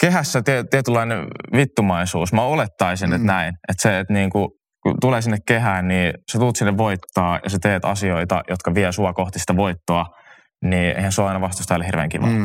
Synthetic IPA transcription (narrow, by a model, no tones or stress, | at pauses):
keɦæsːæt̪it̪iet̪ylːɑineʋit̪ːumɑisuːsmæolet̪ːɑisinet̪næinʔet̪seːt̪niːŋku | kṵt̪uleːsinːekkeɦæːnniːset̪uːt̪sinːeʋʋoit̪ːɑːjɑ̰set̪eːt̪ɑ̰sioit̪ɑ̰jot̪kɑʋiæsuɑkoht̪ist̪æʋoit̪ːoɑ | niːʔḛihænsoɑɑinɑʋɑst̪ust̪ɑoleirʋḛːŋkiʋɑ̰